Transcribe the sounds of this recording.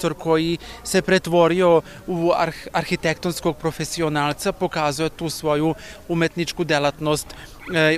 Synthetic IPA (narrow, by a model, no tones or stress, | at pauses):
t̪oɾkʰo̞jise̞pɾet̪ʋo̞ɾio | uaɾxit̪ekt̪onskoɡ̚pɾo̞fesionaːlˠt̪sapo̞kaːzujet̪uːsʋo̞juumjet̪nit͡ʃkud̪elat̪nost̪